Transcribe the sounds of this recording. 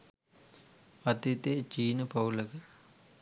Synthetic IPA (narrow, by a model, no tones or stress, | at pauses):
ɐt̪it̪eːt͡ʃiːnəpɐwləkə